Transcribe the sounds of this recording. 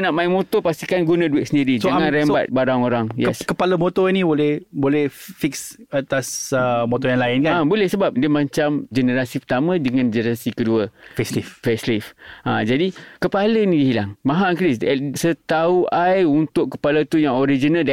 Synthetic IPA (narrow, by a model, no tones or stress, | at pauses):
naʔmãɪnmot̪ɔpast̪ikanɡunãduɪt̪ʔ̚səndiɾid͡ʒsoaŋŋãnɾɛmba̰t̪̚baɾaŋoɾaŋjɛskəpaləmot̪ɔinĩbolɛhbolɛhfiksat̪asəmot̪ɔjaŋlaɪnkaabolɛhsəbap̚diəmãɲt͡ʃamd͡ʒənəɾasipərt̪amə̃dəŋãnd͡ʒənəɾasikəduəfɛsliffɛslifʔãd͡ʒadikəpaləniiɦilaŋmãɦakɾissət̪auʔajunt̪ʊʔkə̥palat̪ujaŋoɾid͡ʒinald